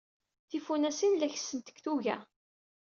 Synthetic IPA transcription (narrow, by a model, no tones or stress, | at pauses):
θifunæsinlæçsənt̪ə̥kθuʝæ̰